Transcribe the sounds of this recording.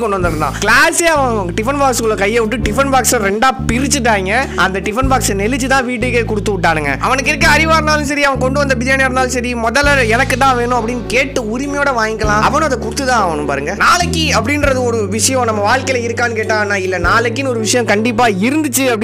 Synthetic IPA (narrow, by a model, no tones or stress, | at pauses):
kːɔɳɖɯʋɐnd̪ɐɾɯnd̪ã̰ːklaːseːɐʋɐ̃ʈɪfɐnbaːkskɯɭːɐkɐjːɐʋɪʈːɯʈɪfɐnbaːksɐɾɛɳɖaːpɪɾɪt͡ʃːɯʈ̬ːaːŋɡɐɐnd̪ɐʈɪfɐnbaːksɐnɛlɪt͡ʃːɯt̪ãːʋiːʈ̬ːɯkːɐkɔɽɯt̪ːɯʋɪʈːaːɾɯŋɡɐ̰ʔɐ̰ʋɐnɯkːɪɾɯk̬ːɐ̃ɐɾɪʋaːɾɐnaːlɯ̃sɐɾiɐʋɐ̃kɔɳɖɯʋɐnd̪ɐbɪlɪjaːnjaːɾnaːlɯ̃sɐɾimɔðɐlɛnɐkːɯt̪ːãːʋeːnʊ̃ɐpːɐɽɪnːɯkeːʈːɯʊɾɪmɐjoːɽɐʋaːŋɡɪkːɐlãːɐʋɐnʊ̃ɐðd̪ɐkʊɾɯt̪ːɯt̪ãːɐʋɐnɯ̃mpa̰ːɾɯŋɡɐnaːlɐkːiɐpːɐɽɪnɾɐðɯɔɾɯʋɪʂɐjɐ̃nɐmːɐʋaːɭkeɪlɐɪɾɯkːaːnːɯkeːʈːãːnːãːɪlːɐnaːlɐkːɪnɔɾɯʋɪʂɐjɐ̃kɐɳɖɪp̬ːaːɪɾɯnd̪ɯt͡ʃːɯɐpːɐɽɪ